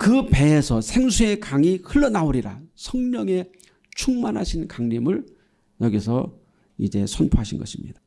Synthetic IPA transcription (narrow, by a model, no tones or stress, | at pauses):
kɯpe̞ːsʰʌsʰe̞ŋsʰue̞kaŋihɯɭːʌnauɾiɾasʰʌŋmʌŋe̞ | t͡ɕʰuŋmanɦaɕʰinkaŋɲimɯɭ | jʌɡisʰʌ | id͡ʑe̞sʰonpʰoɦaɕʰinɡʌ̰ɕʰimɲid̥a